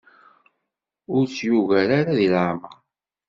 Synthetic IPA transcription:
ʊɾt͡sjuɣæɾaɾaðilaʕma

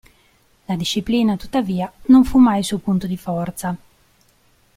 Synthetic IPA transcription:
lad̪iʃːipliːnat̪ut̪ːaviːanoɱfumːajsupunt̪od̪ifɔrt̪sa

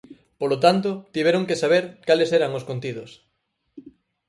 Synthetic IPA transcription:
polot̪ant̪ot̪iβ̞ɛɾoŋkesaβ̞eɾkaleseɾaŋoskont̪iðʊs

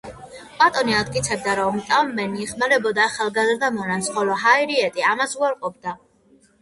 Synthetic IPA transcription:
pʼat̪ʼɔniad̪̚kʼit̪sʰɛb̚d̪aɾɔmt̪ʼamːɛniːχmaɾɛbɔd̪aːχalˠɡazɾd̪amɔnansχɔlɔɦaiɾiɛt̪ʼiamasuaɾqʼɔp̚ʰd̪a

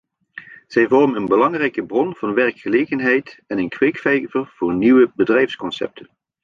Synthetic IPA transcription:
z̥ɛjvɔrmənənbəlɑŋrɛjkəbrɔnv̥ɑnʋɛɹkχəlejɣənɦɛjtɛnənkʋekfɛjvərv̥ʊːɹniʋəbədrɛjfskɔnsɛ̰p̚tʰən

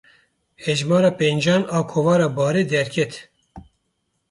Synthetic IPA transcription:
hɛʒmɑːɾɑːpend͡ʒɑːnɑːkʰovɑːɾɑːbɑːɾeːd̪ɛɾkʲʰɛt̪

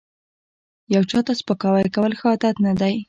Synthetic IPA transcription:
jawt͡ʃɑt̪aspəkɑwajkawəlxɑt̪at̪nad̪aj

